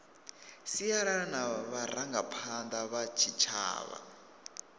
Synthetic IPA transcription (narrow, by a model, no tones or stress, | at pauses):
siaɺanaβaɾaŋɡapʰand̪aβat͡ʃʰit͡ʃʰa̰ːβa̰